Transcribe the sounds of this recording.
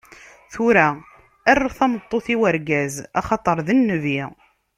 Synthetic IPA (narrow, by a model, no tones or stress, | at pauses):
θuɾæ | ærːaθɑmət̪ˤːoθiwəɾɡæzɑ̰χɑt̪ˤəɾˤðənːəvi